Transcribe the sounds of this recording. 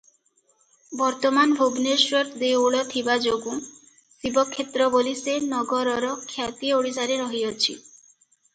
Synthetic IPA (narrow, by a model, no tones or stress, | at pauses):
bɔɾt̪ɔmanbʱubneswɔt̪d̪euɭɔt̪ʰibad͡ʒoɡũ | sibɔkʰːet̪ɾɔbolisenɔɡɔɾɔɾɔkʰjat̪ioɽisaɾeɾɔɦiɔt͡ʃʰḭ